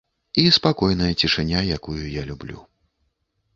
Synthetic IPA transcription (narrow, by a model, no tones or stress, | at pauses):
ispakɔjnɐjɐt͡sʲiʂɨnʲajakujujalʲublʲṵ